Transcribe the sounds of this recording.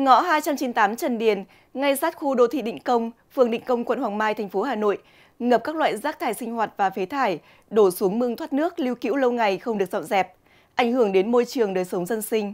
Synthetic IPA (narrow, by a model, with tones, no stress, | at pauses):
ŋɔ̰˧˥ɦaː˧jt͡ɕa˧mt͡ɕi˨˦nt̪aː˨˦mt͡ɕə˨˩nɗi˨˩ən | ŋa˧jsaː˦˥t̚xu˧ɗo̰˧˨t̪ʰḭ˧˨ɗḭ˧˨ŋ̟kə˧wŋ͡mfɨ˨˩əŋɗḭ̈˧˨ŋ̟kə˧wŋ͡mkwə̰˧˨nhwaː˨˩ŋmaː˧jt̪ʰɛ˨˩ŋ̟fo˨˦haː˨˩no̰˧˨j | ŋə˨˩p̚kaː˦˥k̚lwa̰ː˧˨jzaː˦˥k̚t̪ʰaː˧˩jsï˧ŋ̟hwaː˨˩t̚vaː˨˩fe˨˦t̪ʰaː˧˩j | ɗo˧˩su˨˦əŋmɨ˧ŋt̪ʰwaː˦˥t̚nɨ˦˥ək̚li˧wkḭ˧˥wlə˧wŋa˨˩jxə˧wŋ͡mɗɨ˨˩ək̚zɔ̰˧˨nzɛ˨˩p̚ | ʔa˧˩jŋ̟hɨ˧˩əŋɗe˨˦nmo˧jt͡ɕɨ˨˩əŋɗəː˨˩jsə˨˦wŋ͡mzə˧nsï˧ŋ̟